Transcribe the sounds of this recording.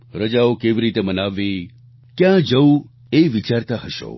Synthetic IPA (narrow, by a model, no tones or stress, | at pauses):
ɾəd͡ʒaokeʋiɾit̪emənaʋːi | kjãd͡ʒəu | eʋit͡ʃaɾt̪aɦəʃo̰